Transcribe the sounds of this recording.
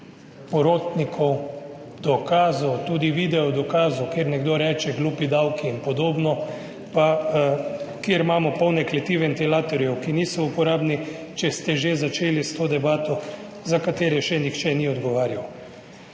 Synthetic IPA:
pɔɾoːt̪nikʰɔw | d̪ɔkaːzɔt̪uːd̪iʋiːd̪ɛɔd̪ɔkaːzukjeːɾnɛɡd̪oːɾɛːt͡ʃɛɡluːpid̪awkiːnpɔd̪oːbnɔ | pa | kjeɾmaːmɔpɔwnɛklɛt̪iʋɛnt̪ilaːt̪ɔɾiɛkinisɔupɔɾaːbni | t͡ʃɛst̪ɛʒezat͡ʃeːlist̪oːd̪ɛbaːt̪ɔ | zakat̪eːɾɛʃɛnixt͡ʃɛniɔd̪ɡɔʋaːɾjaw

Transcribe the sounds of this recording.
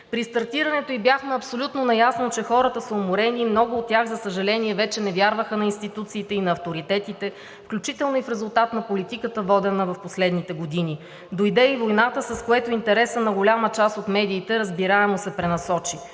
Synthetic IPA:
pɾist̪ɐɾt̪iɾɐnɛt̪oibjaxmɛɐpsolʲut̪nonɐjasnot͡ʃɛxɔɾət̪əsəomoɾɛnimnɔɡʊːt̪̚tːʲjaɣzɐsəʒɐlɛniɛvɛt͡ʃɛnɛvʲjaɾvəxənɐinst̪it̪ut̪siːt̪ɛinɐːft̪oɾit̪ɛt̪it̪ɛ | fklʲut͡ʃit̪ɛlˠnoifɾɛzʊlˠt̪at̪nɐpolit̪ikət̪əvɔd̪ɛnəvɐfposlɛd̪nit̪ɛɡod̪ini | d̪ojid̪ɛivojnat̪əsɐskoɛt̪oint̪ɛɾɛsənɐɡʊlʲamət͡ʃasot̪mɛd̪iːt̪ɛɾəzbiɾaɛmosɛpɾɛnɐsɔt͡ʃi

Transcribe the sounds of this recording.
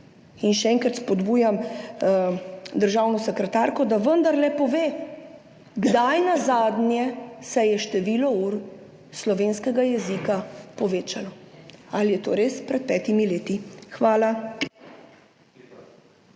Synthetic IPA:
inʃɛɛːŋkɾat̪spɔd̪buːjam | d̪əɾʒaːwnɔsɛkɾɛt̪aɾkɔd̪aʋənd̪aɾlɛpɔʋeː | ɡd̪ajnazaːd̪njɛsɛjɛʃt̪ɛʋiːlɔuːɾ | slɔʋeːnskɛɡajɛzikapɔʋeːt͡ʃalɔalijɛt̪oːɾeːspɾɛt̪̚pɛːt̪imileːt̪ixʋaːla

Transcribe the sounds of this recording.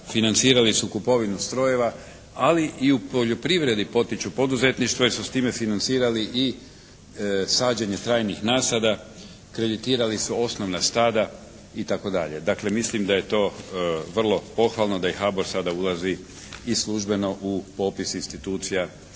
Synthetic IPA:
finant̪siːɾalisukupo̞ʋinust̪ɾo̞je̞ʋa | aliʔiupo̞ʎo̞pɾiʋɾe̞d̪ipo̞t̪it͡ɕupo̞d̪uze̞t̪niʃt̪ʋoiɾsust̪iːme̞finant̪siːɾaliʔi | saːd͡ʑeɲe̞t̪ɾaːjnixnaːsad̪a | kɾe̞d̪it̪iːɾalisuo̞sno̞ʋnast̪aːd̪a | it̪ako̞d̪a̰ʎe̞d̪akle̞mislimd̪aje̞t̪o̞ːʋr̩lˠo̞po̞xʋalˠno̞d̪aixaboɾsad̪aulazi | islˠuʒbe̞no̞ʔupo̞pisinst̪it̪uːt̪sija

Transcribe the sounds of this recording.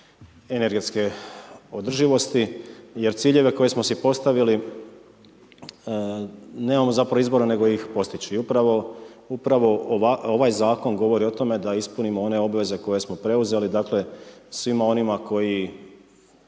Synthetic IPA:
e̞ne̞ɾɡe̞t̪ske̞od̪r̩ʒiʋo̞st̪ije̞ɾt̪siːʎe̞ʋe̞ko̞je̞smosipo̞st̪aʋili | ne̞ːmamo̞zapɾaʋoizbo̞ɾene̞ɡo̞jixpo̞st̪it͡ɕuiupɾaʋo̞upɾaʋo̞ao̞ʋajzaːko̞nɡo̞ʋo̞ɾio̞t̪o̞me̞d̪aispunimoo̞ne̞o̞bʋe̞ze̞ko̞je̞smo̞pɾe̞uze̞lid̪aːkle̞sʋimao̞nimako̞ji

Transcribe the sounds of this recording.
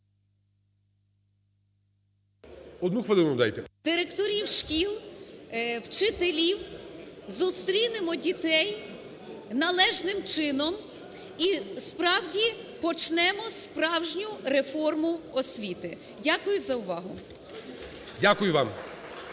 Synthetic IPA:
ɔd̪nuxʋɐlˠɪnnɐmd̪a̰jt̪ɛd̪̥ɪɾekt̪ɔɾʲiwʃkʲilˠ | wt͡ʃɪt̪elʲiwzust̪ɾʲinɪmɔdʲit̪ɛj | nɐlˠɛʒnɪmt͡ʃɪnɔm | ispɾɑwdʲipɔt͡ʃnɛmɔspɾɑwʒnʲʊɾefɔrmʊɔsʲʋʲit̪ɪ | dʲakʊjʊzɐʊʋɑɦʊ | dʲakʊjʊʋɑm

